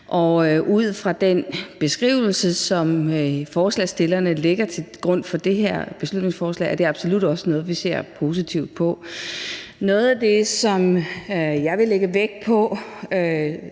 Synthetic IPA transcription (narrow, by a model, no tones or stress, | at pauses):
ʔɒ̽ʔuð̞̰ˠfʁɑ̈d̥enb̥e̝sɡ̥ʁiʊl̩səsɒ̽mfɒːslɛ̰sd̥e̝lɐnəle̝ɡ̥ɐt͡sʰe̝ɡ̥ʁɔ̽n̰fɒ̽d̥e̝ɦeɐ̰b̥e̝slud̥ne̝ŋsfɒːslɛ̰ɪʔæɐ̥e̝ɑ̈b̥so̝lud̥ɒ̽sənɔ̽ːð̞̩ˠʋise̝̰ɐ̰pʰo̝ːs̬it͡sʰiʊd̥̚pʰɒ̽ | nɔ̽ːð̞̩ˠæd̥e̝sɒ̽m | jɑ̈ɪʋe̝leɡ̥əʋeɡ̥̚pʰɒ̽ø